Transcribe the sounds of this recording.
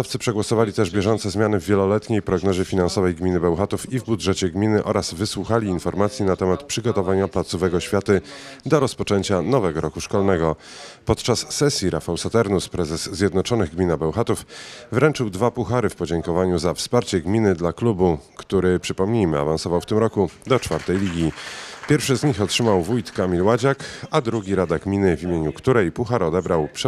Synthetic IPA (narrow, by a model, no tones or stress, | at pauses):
ft̪sɘpʂɛɡwɔsɔvalʲit̪ɛʐbʲjɛʐɔnt̪sɛzmʲjanɘvʲːjɛlɔlɛt̪ɲejpɾɔɡnɔʑɛfʲinansɔvɛjɡmʲinɘbɛwxat̪ufivbud̪ʐɛt͡ɕɛɡmʲinɘʔɔɾaz̥vɘswuxalʲiːnfɔɾmat̪sʲjinat̪ɛmat̪pʂɘɡɔt̪ɔvaɲaplat̪suvɛɡɔɕfʲjat̪ɘd̪ɔɾɔspɔt͡ʂɛɲt͡ɕanɔvɛɡɔɾɔkuʂkɔlnɛɡɔ | pɔt̪̚t͡ʂasːɛsʲjiɾʔa̰fawsat̪ɛɾnuspɾɛzɛsːʲjɛd̪nɔt͡ʂɔnɘɣɡmʲinabɛwxat̪ufvɾɛnt͡ʂɘwd̪vapuxaɾɘfpɔd͡ʑɛŋkɔvaɲuzafspaɾt͡ɕɛɡmʲinɘd̪laklubukt̪uɾɘpʂɘpɔmɲejmɘa̰vansɔvawft̪ɘmɾɔkud̪ɔt͡ʂfaɾt̪ɛjlʲiɡʲipʲjɛɾfʂɘzɲixɔtʂɘmawvujt̪kamʲilwad͡ʑakad̪ɾuɡʲiɾad̪aɡmʲinɘvʲimʲjeɲukt̪uɾɛjpuxaɾɔd̪ɛbɾawpʂɛ